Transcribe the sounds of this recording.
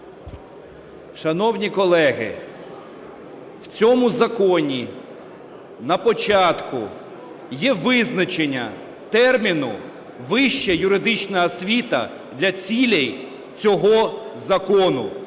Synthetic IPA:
ʃɐnɔwnʲikɔlˠɛɦɪ̰ | wt͡sʲɔmʊzɐkɔnʲi | nɐpɔt͡ʃɑt̪kʊ̰ | jɛʋɪznɐt͡ʃenʲːɐ̰ | t̪ɛrmʲinʊ | ʋɪʃt͡ʃɛjʊɾɪd̪ɪt͡ʃnɐɦɐsʲʋʲit̪ɐ̰ | d̪lʲɐt͡sʲilʲɛj | t͡sʲɔɦɔzɐkɔnʊ

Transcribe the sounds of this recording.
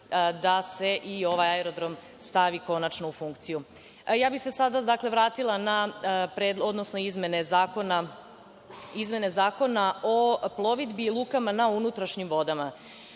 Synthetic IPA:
d̪ase̞ʔio̞ʋajaeɾod̪ɾo̞m | st̪aʋiko̞nat͡ʃnoufuŋkt̪siju | jaːbixsesad̪ad̪akle̞ʋɾaːt̪ilˠanapɾed̪lo̞d̪no̞snoizmene̞zaːkona | izme̞ne̞zaːko̞naʔo̞plˠo̞ʋid̪biːlˠukamanaunut̪ɾaʃɲimʋo̞d̪ama

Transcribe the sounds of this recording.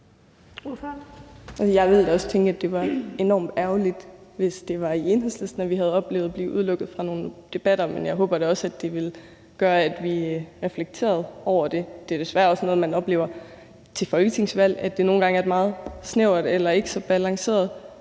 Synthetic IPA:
ʔæsəjɑ̈ɪʋe̝ld̥æɒ̽st͡sʰeŋɡ̥æd̥e̝ʋɑ̈e̝nɒ̰ːmd̥æɐʊlid̥ʋe̝sd̥e̝ʋɑ̈ie̝nɦelslesd̥næʋiɦæð̞ˠɒ̽b̥le̝ːʊð̩ˠb̥lḭːʔuð̞ˠlɔ̽ɡ̥ð̩ˠfʁɑ̈no̝ːn̩d̥e̝b̥æɾ̥ɐmenjɑ̈ɪɦo̽ːb̥ɐd̥e̝ɒ̽sæd̥e̝ʋe̝l | ɡ̥ɶːɐæd̥ʋiʁɛfleɡ̥̚t͡sʰe̝̰ːɐð̞ˠɒʊ̰ɐd̥e̝d̥e̝æɐd̥e̝sʋæːɐɒ̽sno̽ːð̩ˠmænɒ̽b̥le̝ːʊɐ | t͡sʰe̝fɒ̽y̥sʰe̝ŋsʋæl̰æd̥e̝no̝ːn̩ɡ̥ɑ̈ŋæɐed̥mɑ̈ːð̞̩ˠsneʊɐd̥elɐe̝ɡ̥əsɒ̽b̥ælɑ̈ŋse̝̰ːɐð̞ˠ

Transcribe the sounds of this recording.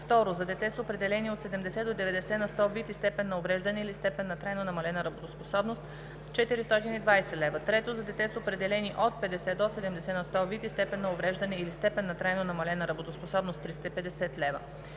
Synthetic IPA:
ft̪ɔɾozɐd̪ɛt̪ɛsəopɾɛd̪ɛlɛniot̪sɛd̪ɛmd̪ɛsɛd̪od̪ɛvɛd̪ɛsɛnɐst̪ɔvit̪ist̪ɛpɛnːɐovɾɛʒd̪ɐnɛilist̪ɛpɛnːɐt̪ɾajnonɐmɐlɛnɐɾɐbot̪osposɔbnost̪ | t͡ʃɛt̪iɾist̪ɔt̪inid̪vajsɛlɛvɐt̪ɾɛt̪ozɐd̪ɛt̪ɛsəopɾɛd̪ɛlɛniʔot̪̚pɛd̪ɛsɛd̪osɛd̪ɛmd̪ɛsɛnɐst̪ɔvit̪ist̪ɛpɛnːɐovɾɛʒd̪ɐnɛilist̪ɛpɛnːɐt̪ɾajnonɐmɐlɛnɐɾɐbot̪osposɔbnost̪ːɾist̪ɐipɛd̪ɛsɛt̪lɛvə̰

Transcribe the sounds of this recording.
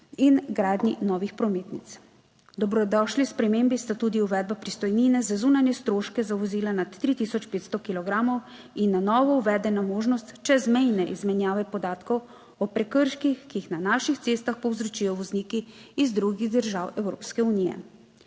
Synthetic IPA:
inɡɾaːd̪ninɔːʋixpɾɔmeːt̪nit̪s | d̪ɔbɾɔd̪ɔʃlispɾɛmembist̪at̪ud̪iuʋɛːd̪̚bapɾist̪ɔjninɛzazuːnanjɛst̪ɾoːʃkɛzaʋɔziːlanat̪ːɾit̪isɔt͡ʃpeːt̪st̪ɔkilɔɡɾamɔw | inːanɔːʋɔuʋɛːd̪ɛnamoːʒnɔst̪t͡ʃɛzmɛjnɛʔizmɛnjaːʋɛpɔd̪aːt̪kɔw | ɔpɾɛkəɾʃkixkiixnanaːʃixt̪seːst̪axpɔwzɾɔt͡ʃiːjɔʋɔzniːkiːzd̪ɾuɡiɣd̪əɾʒawɛwɾo̰ːpskɛuniːjɛ̰

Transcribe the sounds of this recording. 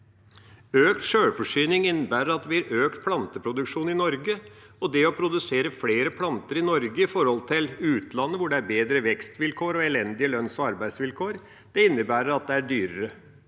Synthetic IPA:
øːk̚t̪ʂøːɽfɔʂyːnɪŋɪnːəbæːɾəɾɑt̪ʋɪæɾøːkt̪pʰlɑnt̪əpʰɾʊd̪ʉkʂuːnɪnɔɾɡə | ɔd̪ɛɔpʰɾʊd̪ʉseːɾəfleːɾəpʰlɑnt̪əɾɪnɔɾɡəɪfɔɾhɔlt̪ʰɪlʉːt̪lɑnːəʋʊɖɛæɾbeːd̪ɾəʋɛkst̪ʋɪlkʰoːɾɔɛlɛnd̪ɪəlœnsɔɑɾbæɪsʋɪlkʰoːɾ | d̪̥ɛɪnːəbæːɾəɾɑt̪̚d̪ɛæɖyːɾəɾə

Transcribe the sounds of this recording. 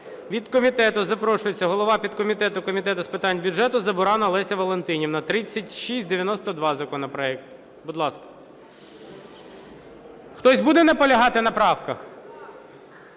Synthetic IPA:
ʋʲid̪kɔmʲit̪ɛt̪ʊzɐpɾɔʃʊjet͡sʲːɐɦɔlˠɔʋɑpʲid̪̚kɔmʲit̪ɛt̪ʊkɔmʲit̪ɛt̪ʊspɪt̪ɑnʲbʲʊʒɛt̪ʊzɐbʊɾɑnɐlˠɛsʲɐʋɔlˠent̪ɪnʲiwnɐt̪ɾɪt͡sʲːɐtʲʃisʲtʲd̪eʋʲjɐnɔst̪ɔd̪ʋɑzɐkɔnɔpɾɔɛk̚t̪ | bʊd̪lˠɑskɐ̥ | xt̪ɔsʲbud̪ɛnɛpɔlʲɐɦɑt̪ɪnɐpɾɑwkɐx

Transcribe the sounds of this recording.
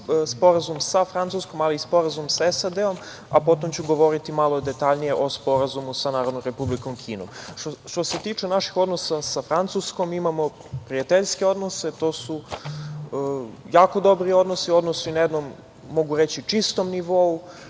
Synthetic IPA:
spo̞ɾazumsafɾant̪susko̞maliːspo̞ɾazumsaesad̪eo̞m | apo̞t̪o̞mt͡ɕuɡo̞ʋo̞ɾit̪imalˠod̪e̞t̪aʎnije̞ʔo̞spo̞ɾazumusanaːɾod̪nomɾe̞publiko̞mkʰiːno̰mʃt̪ose̞t̪iːt͡ʂenaʃi̥xo̞d̪nosasafɾant̪susko̞mimamo̞ | pɾiat̪eʎske̞o̞d̪no̞se̞t̪o̞ːsu | jaːko̞d̪o̞bɾio̞d̪nosio̞d̪nosuinajed̪nomː | o̞ɡuɾet͡ɕit͡ʂist̪o̞mniʋo̞u

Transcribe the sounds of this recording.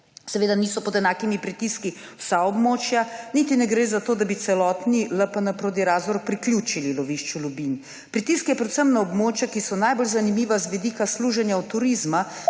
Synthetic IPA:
sɛʋeːd̪aniːsɔpɔd̪ɛnaːkimipɾit̪iski | wsaɔbmoːt͡ʃjanit̪inɛɡɾeːzat̪oːd̪abisɛlɔːt̪niləpənapɾoːt̪̬iɾaːzʋɔɾpɾiklʲjuːt͡ʃililɔʋiʃt͡ʃulubin | pɾit̪iskjɛpɾɛt̪səmnaɔbmoːt͡ʃjakisɔnajbolzanimiːʋazʋid̪iːkasluːʒɛnjaɔt̪ːuɾizma

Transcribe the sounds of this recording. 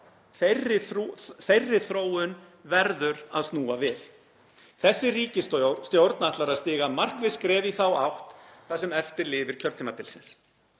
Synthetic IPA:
θerɪθθejrːɪθɾoːwʏn | vɛɾðʏɾaðst̪nuːavɪθ | θɛsːɪriːcɪst̪st̪jowɾt̪naaht̪laɾast̪ɪːɣamar̥kvɪðskɾɛːviθawa̰wht̪θasɛmɛft̪ɪɾlɪːvɪɾ̥cʰœɾt̪ʰiːmapɪlsɪns

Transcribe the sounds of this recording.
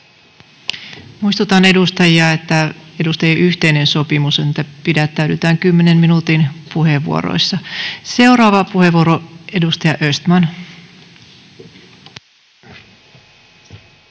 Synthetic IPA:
muist̪ut̪ɑne̞dust̪ɑjiɑet̪ːæedust̪ɑjɑʔyht̪ejnenso̞pimusenet̪ːæpidæt̪ːæytyt̪æːŋkymːenemminut̪inpuheʋːṵo̰ɾo̰isːɑse̞uɾɑːʋɑpuhe̞ʋuoɾoedust̪ɑjɑʔøst̪mɑn

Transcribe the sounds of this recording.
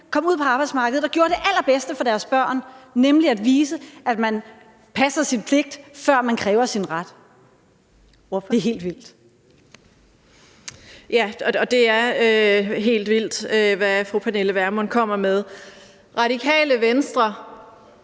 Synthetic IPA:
kʰɒ̽muð̞̰ˠpʰɒɑ̈ːb̥ɑɪdsmɑ̈ːɡ̥əð̩ˠɒ̽ɡ̥jo̝ːɐd̥e̝ʔæl̰ɐb̥esd̥əfɒ̽d̥æɐsb̥ɶɐ̰nnemliæd̥ʋiːsəʔæd̥mæn | pʰæsɐsinpʰle̝ɡ̥̚d̥fɶɐ̰mænkʰʁɛːʊɐsinʁad̥ | oeɦe̝̰ːld̥ʋil̰d̥ | jæɒ̽d̥e̝æɐøɦe̝̰ːld̥ʋil̰d̥øʋæfʁupʰæneləʋæɐmɔnkʰɒ̽m̰ɐmeð̞ˠ | ʁɑ̈ɾ̥ikʰɛ̰ːləʋensd̥ʁɐ

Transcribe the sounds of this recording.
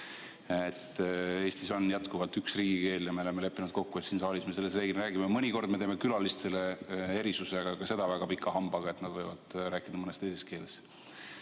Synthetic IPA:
et̪ːe̞ːst̪isonːjæt̪kuvɑlt̪yksriːɡ̥ike̞ːljɑmeoleme̞le̞pːinud̪̥̚ko̞kːujesiːnsɑːlisme̞se̞lːes̬reːɡinɾæːɡ̥imemɤnʲiko̞rd̪̥̚meeːmekylɑlist̪e̞le̞e̞ɾisuseɡ̥ɑkɑse̞d̪̥ɑvæɡ̥ɑpikʰːɑhɑmb̥ɑɡ̥ɑe̞t̪nɑd̪vɤjvɑd̪̥ræːkːˑid̪̥ɑmɤne̞st̪ejse̞ske̞ːle̞s

